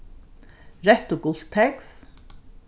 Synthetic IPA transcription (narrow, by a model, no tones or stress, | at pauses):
ɾɛht̪ʊɡʊl̥t̪ʰːɛkv